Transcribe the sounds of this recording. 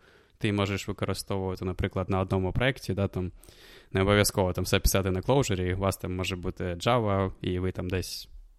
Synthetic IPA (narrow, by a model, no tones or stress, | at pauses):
t̪ɪmɔʒeʃʋɪkɔɾɨst̪ɔʋʊʋɐt̪ɪnɐpɾɪklˠɐd̪nɐɔd̪nɔmʊpɾʔɔɛktʲid̪at̪amnɛɔbɔʋʲjɐskɔʋɔt̪amsɛpʲɪ̥sɑt̪ɪnɐklˠɔwʒeɾʲiʋɑst̪ɑmːɔʒɛbut̪ɪd͡ʒɑʋɐiʋɪt̪amd̪ɛsʲ